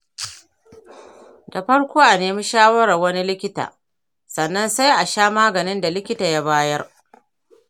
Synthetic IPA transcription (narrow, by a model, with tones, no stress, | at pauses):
da˨ɸɐ˦ɽkʷoː˦ʔa˨neː˨mi˦ʃaː˦wɐ˦ɽɐ˨rwɐ˦ni˦lɪ˦kʲɪ˦ta̰ː˨ | sɐ˨nːɐ˦nsa˦jʔa˨ʃaː˦maː˦ɡɐ˨nɪ˦nda˨lɪ˦kʲɪ˦taː˨ja˦baː˦jɐ˦r